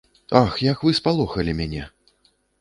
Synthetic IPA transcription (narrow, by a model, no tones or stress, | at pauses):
axjɐkvɨspalˠɔxɐlʲimʲanʲɛ